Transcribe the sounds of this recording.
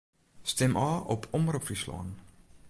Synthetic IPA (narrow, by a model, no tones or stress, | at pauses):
stɛmʔɑːʔɔpʰɔmrupfrislɑ̰ːn